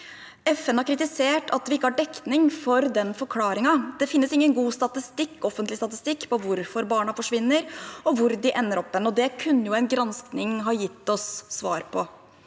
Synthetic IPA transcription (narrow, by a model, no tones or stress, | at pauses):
ɛfɛnhɑɾkʰɾɪt̪ɪseːʈʰɑt̪ʋɪɪkːəhɑɖɛk̪nɪŋfɔɾd̪ɛnfɔɾkʰlɑːɾɪŋɑd̪̥ɛfɪnːəsɪŋːənɡuːst̪ɑt̪ɪst̪ɪkːɔfːənt̪lɪst̪ɑt̪ɪst̪ɪkːpɔʋʊɾfɔɾbɑːɳɑfɔʂʋɪnːəɾɔʋʊɾd̪ɪʔɛnːəɾɔpːɛnɔd̪ɛkʰʉnːəjʊɛnɡɾɑnsknɪŋɦɑjɪt̪ːɔsːʋɑːɾpʰɔ